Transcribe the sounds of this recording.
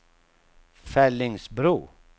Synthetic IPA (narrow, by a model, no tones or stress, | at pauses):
fɛlːɪŋsbɾuː